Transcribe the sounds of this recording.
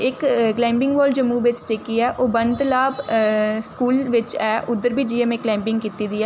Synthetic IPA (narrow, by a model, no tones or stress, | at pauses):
ɪkklɛ̃ːmpɪ̃ŋɡʋɔːld͡ʒəmuːʋɪt͡ʃt͡ʃeːkiɛːʔoːbənt̪laːbskuːlʋɪt͡ʃɛːʔʊd̪ːəɾbiːd͡ʒiːẽmẽːklɛ̃ːmpɪ̃ŋɡkiːt̪iːd̪iːɛː